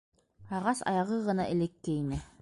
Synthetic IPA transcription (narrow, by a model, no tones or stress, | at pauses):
ɑʁɑsɑ̰jɑʁɤʁɤ̆nɑʔɘlɛkːejnɘ